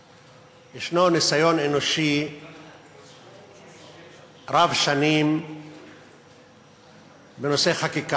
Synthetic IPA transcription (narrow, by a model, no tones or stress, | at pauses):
jeʃnonisajo̞nenoʃi | ɾavʃanim | benoseχakika